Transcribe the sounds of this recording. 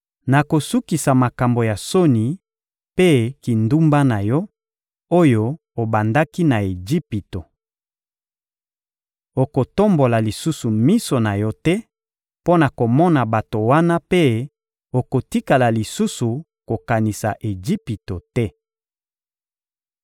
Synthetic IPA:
na˨ko˨su˦ki˨sa˨ma˨ka˨mbo˨ja˨so˦ni˨ | pe˦ki˨ndu˦mba˦na˨jɔ˦ | o˦jo˨ | o˨ba˨nda˦ki˦na˨e˨d͡ʒi˦pi˨to˨ | o˨ko˨to˦mbo˨la˨li˨su˦su˨mi˦so˨na˨jɔ˦tɛ˦ | po˦na˨ko˨mɔ˦na˨ba˨to˨wa˦na˦pe˦ | o˨ko˨ti˦ka˨la˨li˨su˦su˨ | ko˨ka˨ni˨sa̰˨ʔe˨d͡ʒi˦pi˨to˨tɛ˦

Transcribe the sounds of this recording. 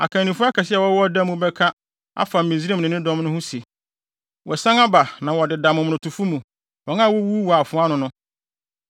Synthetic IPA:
a̰˨kʰã˨nĩ˨fʊ˦a˦kʰa˨sɪ˦ɛ˨wɔ˦wɔ˦da˦mũ˦bɛ˦kʰa˦ | a̰˦fa˨m̩˨mĩ˨zi˦ɾe˦˨mnɪ̃˨nɪ̃˦dɔ̃˦mnʊ̃˦hʊ̃˦si˨ | wɔ˨sã˦ŋa˦ba˨nã˨wɔ˨dɪ˨da˨mʊ̃˨m˨nʊ̃˨tʰu˨fu˦mũ˨ | wɔ̃˨ŋa˦˨wɔ˦wu˦wu˨a˨fʊ̃˦a˦nʊ̃˨nʊ̃˦

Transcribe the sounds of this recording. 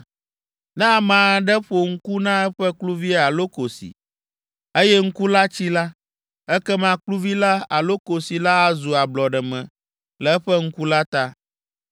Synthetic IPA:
nã˦˨mã˨˦ɖɛ˦ɸo˨ŋ̩˦ku˦nã˦ɛ˦ɸɛ˦klu˦vi˦a˨lo˦ko˨sḭ˨ | e˦jɛ˦ŋ̩˦ku˦la˦t͡ɕi˦la˦ | ɛ˦kɛ˦mã˦klu˦vi˦la˦a˨lo˦ko˨si˨la˦a˦zu˨a˨blɔ˨ɖɛ˨mɛ̰̃˨ | lɛ˨ɛ˦ɸɛ˦ŋ̩˦ku˦la˦t̪a˦

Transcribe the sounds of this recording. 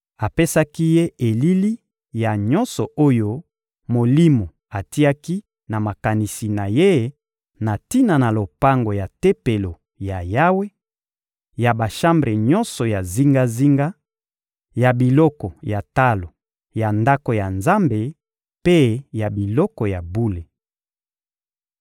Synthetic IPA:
a˨pe˦sa˦ki˦je˦e˨li˦li˦ | ja˨ɲɔ˦nsɔ˨o˦jo˦ | mo˨li˦mo˨ | a˨ti˦a˦ki˦ | na˨ma˨ka˨ni˨si˨na˨je˦ | na˨ti˦na˨na˨lo˨pa˦ŋɡo˨ja˨te˦pe˨lo˨ | ja˨ja˦we˦ | ja˨ba˨ʃa˦mbʁe˨ɲɔ˦nsɔ˨ja˨zi˦ŋɡa˦zi˦ŋɡa˦ | ja˨bi˨lɔ˦kɔ˨ja˨ta˦lo˨ | ja˨nda˦ko˨ja˨nza˦mbe˨ | pe˦ja˨bi˨lɔ˦kɔ˨ja˨bu˦le˨

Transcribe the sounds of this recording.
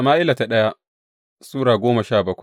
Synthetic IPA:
a˨maː˦ʔɪ˦la˨ta˨ɗɐ˦ja˦ | suː˦ɽaː˨ɡʷoː˦ma˨ʃaː˦˨bɐ˦kʷ

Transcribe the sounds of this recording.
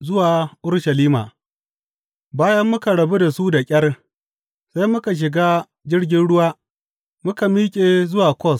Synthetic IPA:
zʊ˦waː˨ʔʊ˦ɽʃɐ˨liː˦ma̰ː˨ | baː˦jɐ˦mːʊ˦ka˨ɽɐ˨bu˦da˨su˦da˨kʲʼɐ˦r | sa˦jmʊ˦ka˨ʃ̬ɪ˨ɡaː˦ | d͡ʒɪ˦rɡʲɪ˦nɽʊ˦waː˦ | mʊ˦ka˨miː˦kʲʼe˨zʊ˦waː˨kʷɔ˦˨s

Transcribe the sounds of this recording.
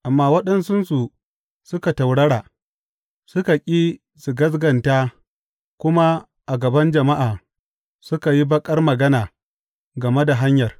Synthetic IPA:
ʔa˨mːaː˦wɐ˦ɗɐ˦nsʊ˦nsu˨ | sʊ˦ka˨ta˨wɽɐ˦ɽaː˨ | sʊ˦ka˨kʲʼiː˦ | su˨ɡɐ˦s̬ɡɐ˨ntaː˦ | kʷʊ˦ma˦ | ʔa˨ɡɐ˨bɐ˦nd͡ʒɐ˨ma˦ʔaː˨ | sʊ˦ka˨ji˦bɐ˦kʼɐ˦rmɐ˨ɡɐ˦naː˨ | ɡɐ˨me˦da˨ɦa˦ɲjɐ˨r

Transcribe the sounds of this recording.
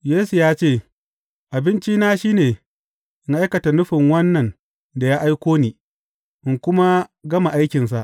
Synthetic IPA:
jeː˦su˨jaː˦t͡ʃeː˦˨ | ʔa˨bɪ˦nt͡ʃi˦naː˦ʃiː˦neː˨ | ʔɪ˦ŋʔa˦jkɐ˨ta˨nʊ˦ɸɪ˨ŋwɐ˦nːɐ˨n | da˨jaː˦ʔa˦jkʷoː˦niː˨ | ʔɪ˨ŋkʷʊ˦ma˦ɡɐ˦ma˨ʔa˦jkʲɪ˨ns̬a˦ʔ

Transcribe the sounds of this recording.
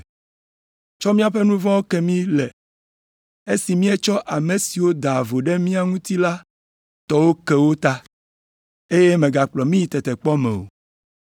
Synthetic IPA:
t͡ʃɔ˦mĩ˦a˨ɸɛ˦nũ˦vɔ̃˦wo˦kɛ˦mĩ˦lɛ˨ | e˦si˨mĩ˦ɛ˦t͡ʃɔ˦ʔa˨me˨si˨wo˦d̪a˨vo˨ɖɛ˦mĩ˦a˨ŋũ˦t̪i˦la˦ | t̪ɔ˨wo˦ke˦wo˦t̪a˦ | e˦je˦mẽ˨ɡa˨k͡plɔ˨mĩ˦ji˨t̪ɛ˨t̪ɛ˨k͡pɔ˦mɛ̰̃˨o̰˨

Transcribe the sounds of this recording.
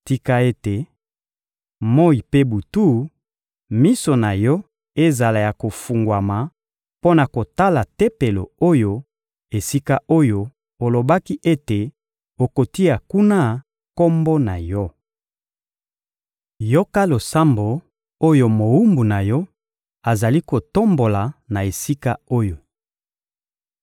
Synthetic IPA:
ti˦ka˦e˦te˨ | mo˦i˨pe˦bu˨tu˦ | mi˦so˨na˨jɔ˦ | e˦za˨la˨ja˨ko˨fu˨ŋɡwa˨ma˨ | po˦na˨ko˨ta˦la˨te˦pe˨lo̰˨o˦jo˦ | e˨si˦ka˦o˦jo˦˨ | o˨lo˨ba˦ki˦ʔe˦te˨ | o˨ko˨ti˦ja˨ku˦na˦ | ko˦mbo˦na˨jɔ˦ | jo˦ka˦lo˨sa˦mbo˨ | o˦jo˦mo˨u˦mbu˨na˨jɔ˦ | a˨za˨li˦ko˨to˦mbo˨la˨na˨e˨si˦ka˦o˦jo˨

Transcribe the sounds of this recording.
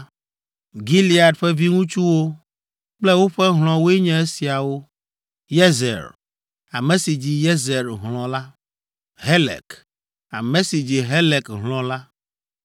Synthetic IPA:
ɡi˦li˨a˨dɸɛ˦vi˦ŋũ˦t͡ʃu˦wo˦ | k͡plɛ˦wo˦ɸɛ˦ɦl̃ɔ̃˨wo˦e˦ɲɛ̃˦e˦si˨a˨wo˦ | je˦zɛ̰˨ɾ | a˨mẽ˨si˨d͡ʑi˨je˦ze˨ɾɦlɔ̃˨la˦ | ɦe˦lɛ̰˨k | a̰˨mẽ˨˦si˨d͡ʑi˨ɦe˦le˨kɦlɔ̃˨la˦

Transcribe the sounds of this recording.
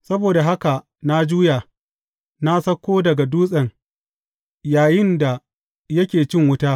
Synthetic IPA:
sɐ˦boː˨da˨ɦa˦ka˨ | na˦d͡ʒuː˦jaː˨ | na˦sɐ˦kʷːoː˦dɐ˨ɡa˨duː˦sʼɐ˨ŋ | jaː˨jɪ˦nda˨ | jɐ˦kʲeː˨t͡ʃɪ˦˨ŋwʊ˦taː˦

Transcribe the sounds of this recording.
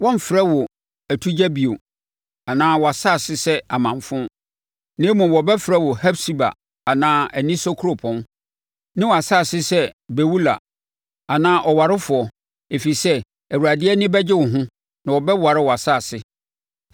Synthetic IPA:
wɔ̃˦m̩˨fɾɛ˦wɔ˨ | æ˨tʰu˦d͡ʑæ˦bi˨o˨ | a˨nãː˦wɔ˨a˨sa˦˨sɪ˦sɛ˦a˨mã˨ɱfʊ̃˦ | nẽ˦mũ˨wɔ˨bɛ˦fɾɛ˦wɔ˨hɛ˦bsi˦ba̰˨ | a˨nãː˦æ˨nĩ˦so˦kʰo˨pʰɔ̃˦n | nɪ̃˦wɔ˨a˨saː˦˨sɪ˦sɛ˦bæ˨wu˦la̰˨ | a˨nãː˦ʔɔ˨wa˨ɾɪ˦fʊ˨ɔ˨ | e˨fi˨sɛ˦ | æ˨wu˨a˨dɪ˦ɛ˦nɪ̃˦bɛ˦d͡ʑɪ˦wʊ˨ɦʊ̃˦ | nã˨wɔ˨bɛ˦wa˨ɾɪ˦wɔ˨a˨sa˦˨sɪ˦

